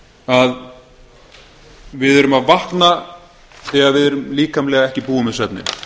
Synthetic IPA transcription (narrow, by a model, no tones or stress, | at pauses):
að | vɪðœɾʏmaðvaht̪na | θɛːɣaðvɪðɛœɾʏmliːkamlɛːɣaɛhcɪpuːʏmɪsvɛp̚nɪ̰